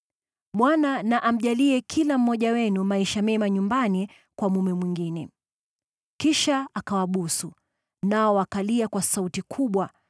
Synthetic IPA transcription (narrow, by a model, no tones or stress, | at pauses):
ɓwananaʔam̩ʄaliɛkʰilam̩ːɔʄawɛnumaiʃamɛmaɲumbani | kwamumɛmwiŋɡinɛ | kiʃaakawaɓusu | naɔwakaliakwasautikʰuɓwa